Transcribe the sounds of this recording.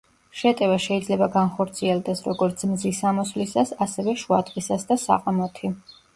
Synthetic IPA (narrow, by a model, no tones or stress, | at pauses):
ʃɛt̪ʼɛvaʃɛid̪zlɛbaɡanχɔɾt̪sʰiɛlˠd̪ɛsɾɔɡɔɾt̪sʰmzisamɔslisasasɛvɛʃuad̪ʼqʼisasd̪asa̰qʼamɔt̪ʰi